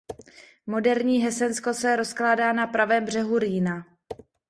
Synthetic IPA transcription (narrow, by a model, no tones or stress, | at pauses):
mo̞dɛɾɲiːɦɛsɛnsko̞sɛɾo̞sklaːdaːnapɾavɛːmbr̝ɛɦuɾiːna